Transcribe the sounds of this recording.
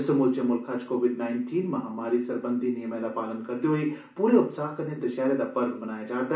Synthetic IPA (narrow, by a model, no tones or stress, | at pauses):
sɐmuɾt͡ʃemʊlkʰat͡ʃkoːʋɪɖnaːɪnʈʰiːnmãɦɐmaːɾisɐɾbə̃nd̪ʱinijəmẽd̪apaːlənkɐɾt̪eɦui | puːɾeʊpsaːɦkɐnẽd̪ɐʃaːɾed̪apɐɾbbɐnaːjad͡ʒaːt̪a